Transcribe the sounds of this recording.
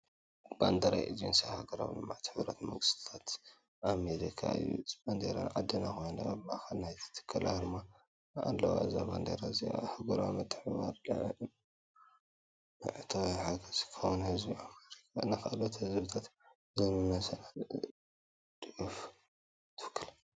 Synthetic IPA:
b̥and̪ɐɾa̰jʔid͡ʒensahaɡɐɾa̰wnɨmːaʕt̪ħɨβɾɐt̪mɐ̰ŋɡɨst̪ʰt̪ʰat̪ | ʔameɾikʰa̰ɨ̰jṵsband̪eɾa̰nʕad̪ːɨnaxojnabaʔxanajt̪ʰɨ̥t̪ʰɨ̥kʰːɐla̰d̪ɨmːa | a̰lːɐ̰wa̰ʔza̰band̪ḛɾazia̰hɨɡuɾa̰mɨt̪ʰʼːɨ̥ħβa̰ɾl̰ | ɨ̰ʕɨt̪ʰowiħaɡɐz̥kʰɐwunhɨzbiameɾikʰanɨxʔalot̪hɨzbɨt̪ʰat̪ | zɐnunasɐna | d̪ɨʕuf | t̪ʰɨwɨ̥kʰːɨla

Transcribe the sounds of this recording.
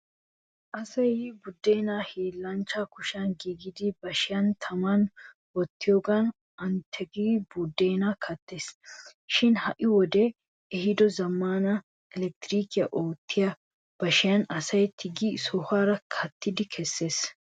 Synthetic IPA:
ʔɐsɐjbʊd̪ːeːnaːheːlːɐnt͡ʃːakʊʃɐnɡiːɡɪd̪ɪbɐʃɪjɐnt̪ʰɐmɐn | wɔt̪ːɪjoːɡɐn | ɐnt̪ʰɛɡibud̪ːeːnakʰɐt̪ːe̞ːsʃɪnhɐʔɪwɔd̪ɛ | ɛhɪd̪ɔzɐmːaːnɐ | ɛlɛk̚t̪ɪɾiːkɪjɐʔoːt̪ʰːɪjɐ | b̥ɐʃɪjɐnɐsɐjt̪ʰɪɡɪsɔhaːɾɐkʰɐt̪ːɪd̪ɪkʰɛsːe̞ːs

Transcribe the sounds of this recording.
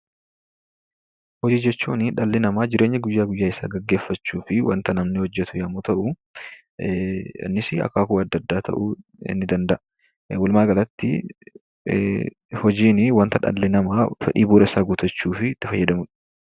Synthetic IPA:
hɔd͡ʒiːd͡ʒɛt͡ʃːuːnɪᶑɐlːɪnɐmaːd͡ʒɪɾʔe̞ːɲːɐɡʊjːaːɡʊjːaːɪsaːɡɐɡːe̞ːfːɐt͡ʃːuːfɪwɐ̰nt̪ɐnɐmnɪhɔd͡ʒːɛt̪ʊjɐmut̪ɐʔʊ | nːɪsɪɐ̰kːaːkʊɐd̪ːɐd̪ːaːt̪ʰɐ̰ʔʊɪ̰nːɪd̪ɐnd̪ɐʔ | wʊlmaːɡɐlɐt̪ːɪ̰ | hɔd͡ʒiːnɪwɐnt̪ɐᶑɐ̰lːɪnɐmaːfɛ̰ᶑḭːbuːɾɐɪsaːɡʊt̪ʰɐt͡ʃːuːfɪt̪ːɪfɐjːɐd̪ɐmʊᶑɐ̥

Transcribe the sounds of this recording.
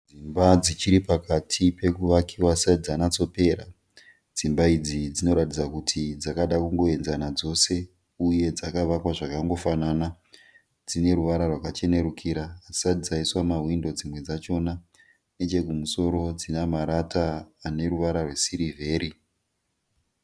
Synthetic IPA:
d͡zimbad͡zit͡ʃiɾipakatʰipe̞kuʋakiwasaid͡zanat͡so̞pe̞ːɾa | d͡zimbaid͡zid͡zino̞ɾatid͡zakutʰid͡zakaɗakuŋɡo̞e̞nzanad͡zo̞se̞ | uje̞d͡zakaʋakwaʐakaŋɡo̞fanana | d͡zine̞ɾuʋaɾarwakat͡ʃe̞ne̞ɾukʰiɾaːi̥satid͡zaiswamaɦwindo̞d͡zimwe̞d͡zat͡ʃo̞na | net͡ʃe̞kumuso̞ɾo̞d͡zinamaɾataːne̞ɾuʋaɾarwesiɾivʱe̞ːɾi

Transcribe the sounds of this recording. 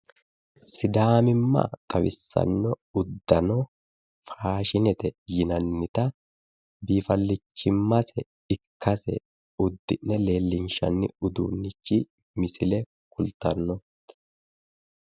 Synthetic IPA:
sɪd̪aːmɪmːa̰kʼɐwɪsːɐ̰nːɔʊd̪ːɐnɔ | faːʃɪnɛt̪ɛjɪnɐnːɪt̪ɐ | biːfɐlːɪt͡ʃːɪmːɐsɛ | ɪkʰːɐsɛ̰ | ʊd̪ːɪnːɛle̞ːlːɪnʃɐ̰nːɪʊd̪ṵːnːɪt͡ʃːɪ | mɪsɪlɛ | kʊlt̪ɐnːɔ

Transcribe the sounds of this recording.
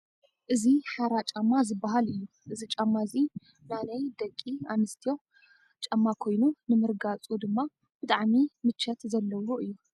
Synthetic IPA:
ʔɨziħaɾat͡ʃʼɐmːazɨbːaɦalɨjːu | ʔɨzit͡ʃʼɐmːazi | nanɐjd̪ɐkʼːianɨst̪ʰijo̞ | t͡ʃʼɐmːakʰo̞jnunɨmɨɾɡat͡sʼud̪ɨmːa | b̥ɨt̪ʼaʕmimɨt͡ʃʰːɐt̪zɐlːɐwoʔɨjːu

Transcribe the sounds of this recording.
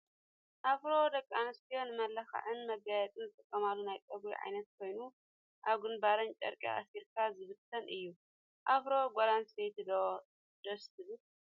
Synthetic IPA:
ʔafɾod̪ɐkʼːanɨst̪ʰijo̞nɨmɐlːɐxɐ̰ʕɨnmɐɡajɐt͡s̪ʼɨnzɨt̪ʼɨkʼːɐmalːunajkʼɐbḭʕa̰jnɐt̪̚kʰo̞jnu | ʔaβɡɨnbaɾɐnt͡ʃʼɐ̰ɾkʼḭʔa̰siɾkʰazɨβɨt̪ʰːɐnʔɨjːu | ʔafɾo̞ɡʷoɾansejt̪ɨd̪ | d̪̥ost̪ʰɨbɨl

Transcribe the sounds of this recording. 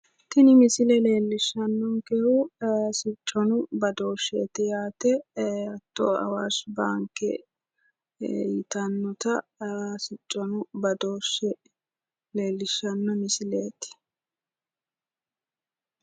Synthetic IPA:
t̪ɪnɪmɪsɪlɛle̞ːlːɪʃːɐnːɔŋkɛhʊsɪt͡ʃʼːɔnʊbɐd̪o̞ːʃːeːt̪ɛjaːt̪ɛɐt̪ːɔɐ̰wasbaːŋkːɛ̰ | jɪt̪ɐnːɔt̪ɐsɪt͡ʃʼːɔnʊbɐd̪oːʃːɛ | le̞ːlːɪʃːɐnːɔmɪsɪleːt̪ɪ̥

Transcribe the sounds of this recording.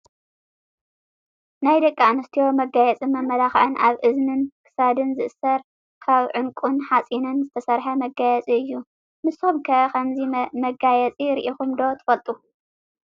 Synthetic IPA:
najd̪ɐkʼːianɨst̪ʰijo̞mɐɡajɛt͡sʼimɐmːɐlaxʕɨnʔaβʔɨznɨnkʰɨ̥sad̪ɨnzɨʔsɐɾ | kʰaβʕɨŋkʼunħat͡sʼinɨnzɨt̪ʰɐsɐɾħɐmɐɡajɛt͡sʼiɨjːu | mɨsumkʰɐʔɐkʰɐmzimɐɡajɛt͡sʼiɾɨʔixumd̪o̞t̪ʰɨ̥fɐlt̪ʼu

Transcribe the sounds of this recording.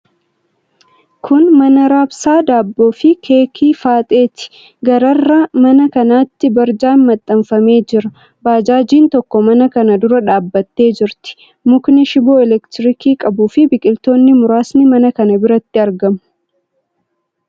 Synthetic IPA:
kʰʊnmɐnɐɾaːbsaːd̪aːbːo̞ːfɪkʰe̞ːkʰiːfaːt̪ʼe̞ːt̪ɪ̥ | ɡɐɾɐrːamɐnɐkɐnaːt̪ːɪbɐɾd͡ʒaːnmɐt̪ʼːɐɱfɐme̞ːd͡ʒɪɾɐ | baːd͡ʒaːd͡ʒiːnt̪ɔkːɔmɐnɐkɐnɐd̪ʊɾɐᶑaːbːɐt̪ːe̞ːd͡ʒɪɾt̪ɪ̥ | mʊknɛʃɪbo̞ːɛlɛkt̪ɪɾɪkiːkʼɐbuːfɪbɪkʼɪlt̪o̞ːnːɪmʊɾaːsnɪmɐnɐkɐnɐbɪɾɐt̪ːɪɐɾɡɐmʊ̥

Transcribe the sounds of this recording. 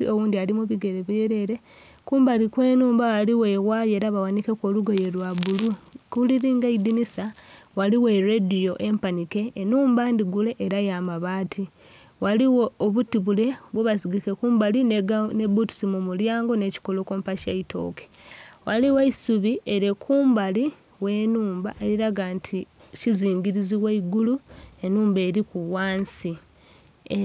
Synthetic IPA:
io̞wuːndialimuβiɡe̞ɾeβjeɾe̞ɾe̞ | kuːmbalikwe̞ːnuːmbaaliwe̞waje̞ːɾaβawanikekwoluɡoje̞lwaβulukuliɾiːŋɡaidinisawaliwe̞ɾedijo̞ʔempanike̞ːnuːmbaːndiɡule̞ʔːɾajaːmaβaːtʰi | waliwooβutiβule̞βweβasiɡikekuːmbalinnebutu̥simumuljaːŋɡo̞ne̞ci̥ko̞lo̞koːmpaʃaitʰo̞̰ke̥ | waliweisuβiʔeɾekʰuːmbali | we̞ːnuːmba̰ʔe̞ɾiɾaɡaːntʰi | ciziːɲɟiɾiziweiɡulue̞nuːmbe̞ːɾikuwaːnsi

